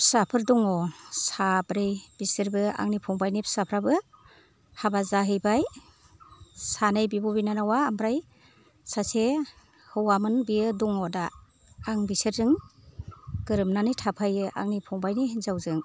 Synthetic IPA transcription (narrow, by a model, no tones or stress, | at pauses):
psapʰɯɾdɔŋɔsabɾejb̥isɯɾbɯa̰ŋnipʰɔŋbajnipʰsapʰɾabɯ | habazaɦɯjbaj | sanɯjbibɔbinanawaːmbɾaj | sase | hɯwamɯnbijɯdɔŋɔdaː | ŋbisɯɾzɯŋ | ɡ̥ɯɾɯmnanɯjtʰapʰajɯʔa̰ŋnipʰɔŋbajnihnzawzɯŋ